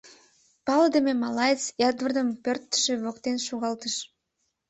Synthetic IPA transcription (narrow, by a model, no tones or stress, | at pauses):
pɑld̪əmemɑlɑjət͡sjɑd̪vərd̪əmpørt̪ːə̥ʃĕβokt̪enʃoɣɑlt̪əʃ